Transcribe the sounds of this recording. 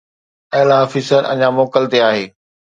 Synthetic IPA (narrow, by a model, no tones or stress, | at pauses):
ɐɦlafɪsəɾʔɐ̰ɲamoːkəlt̪eaːɦeː